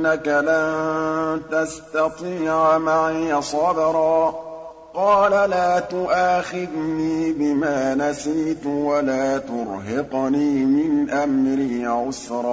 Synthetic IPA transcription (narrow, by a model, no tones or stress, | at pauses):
nːakalant̪ast̪ɑt̪ˤiːʕmaʕijasˤɑbɾˤɑː | qɑːlalaːt̪ʊʔaːxɪd̪niːbɪmaːnasiːt̪walaːt̪ʊɾˤɦɪqniːmɪnʔamɾiːʕʊsɾˤɑː